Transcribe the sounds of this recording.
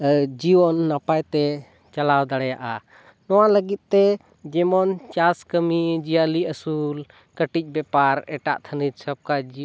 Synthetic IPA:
d͡ʒiwɔnːapajt̪ɛ | t͡ʃalawd̪aɽɛjaʔa | nɔwaləɡit̪̚t̪ɛ | d͡ʒɛmɔnt͡ʃaskəmid͡ʒijaliəsul | kəʈic̚ˀbɛpaɾɛʈa̰ʔt̪ʰəniɾsəb̚kad͡ʒi

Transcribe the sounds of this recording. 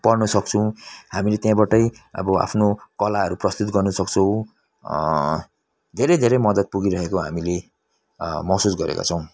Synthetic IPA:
pʌrnʌsʌk̚t͡sʰuw̃hamilet̪jãbaʈʌj | ʌ̰bʌa̰pʰnokʌlaɦʌɾuprʌst̪ut̪̚ɡʌrnʌsʌk̚t͡sʰʌw̃ | d̪ʱeɾʌjd̪ʱeɾʌjmʌd̪ʌt̪̚puɡiɾʌɦekoɦa̰mile | mʌɦsusɡʌɾḛka̰t͡sʰʌw̃

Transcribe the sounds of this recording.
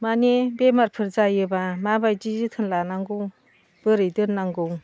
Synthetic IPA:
manebemaɾpʰɯɾzajɯbamabajd͡ʒizɯt̪ʰɯnlanaŋɡɯw | b̥ɯɾɯjdɯnːaŋɡɯw

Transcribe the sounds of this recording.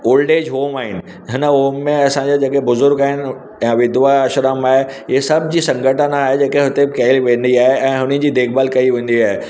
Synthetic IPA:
oːlɖeːd͡ʑɦoːmaːɦɪnɪ̆ | ɦɪnəɦoːmːẽɐsãɲd͡ʑad͡ʑeːkebʊzʊɾɡaːɦɪnɪ̆ | jãʋɪd̪ʊʋaʃɾəmaːɦeiɦesɐbʱd͡ʑisɐ̃ŋɡʱəʈənaaːɦed͡ʑeːkeɦʊt̪ekɐɦɪlʋẽːnd̪iaːɦeɛ̃ːɦʊnəd͡ʑiːd̪eːkbaːlkɐiʋẽːnd̪iaːɦe

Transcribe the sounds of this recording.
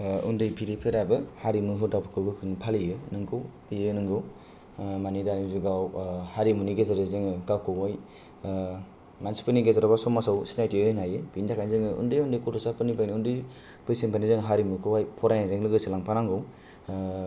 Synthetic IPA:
undɯjpʰiɾipʰeɾabɯhaɾimuɦudapʰɯkʰɯɡɯkʰɯnpʰalijɯnɯŋkʰɯwpijɯnɯŋɡɯw | manidanizuɡawhaɾimuniɡezaɾɯzɯŋɯkakʰɯwaj | mansi̥pɯniɡezaɾabasɔmːasawsi̥najtiɯnajɯbindakʰajnizɯŋɯṵndɯjundɯjkɔtɔsapɯnipajniundɯj | pʰɯjseŋpʰanizɯŋɦaɾimukʰɯwajpʰɔɾajnazeŋlɯɡɯsilaŋpʰanaŋɡɯw

